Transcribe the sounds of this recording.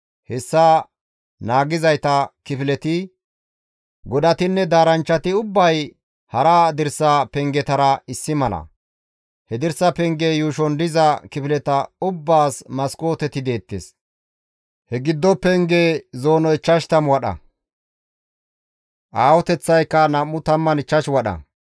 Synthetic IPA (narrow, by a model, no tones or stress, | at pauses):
hɛsːaː | naːɡɪzɐjt̪ɐkɪfɪlɛt̪ɪ | ɡɔd̪ɐt̪ɪnːɛd̪aːɾɐnt͡ʃːɐt̪ɪʊbːɐj | hɐɾad̪ɪɾsːɐpɛŋɡɛt̪ɐɾɐɪsːɪmɐlɐ̰ | hɛd̪ɪɾsːɐpɛŋɡejuːʃɔnd̪ɪzɐkɪfɪlɛt̪ɐʊbːaːsmɐsko̞ːt̪ɛt̪ɪd̪e̞ːt̪ːḛs | hɛɡɪd̪ːɔpɛŋɡeːzo̞ːnɔɪt͡ʃːɐʃt̪ɐmwɐɗɐ̰ | ʔaːwɔt̪ɛt͡sːɐjkːɐnɐmːʊt̪ɐmːɐnɪt͡ʃːɐʃwɐɗɐ̰